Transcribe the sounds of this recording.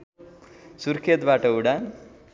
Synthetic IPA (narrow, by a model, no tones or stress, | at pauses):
suɾkʰet̪baʈəuɽa